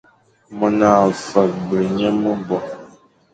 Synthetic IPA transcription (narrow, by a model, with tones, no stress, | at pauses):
mə˨naː˨fə˨k̚bə˨ɲə˦mə˦bɔ˨